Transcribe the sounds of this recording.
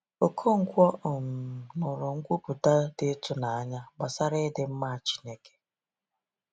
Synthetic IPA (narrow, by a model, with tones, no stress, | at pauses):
o˨kʰo˦ŋ̩˦kʷɔ˦˨m̩˨nʊ˨ɾʊ˨ŋ̩˦kʷu˦pu˨ta˦dɪ˦tʊ˦na˨a˦ɲa˦ba˨sa˦ɾɪ˦dɪ˨m̩˦ma˦˨t͡ʃi̥˦ne˦ke̥˨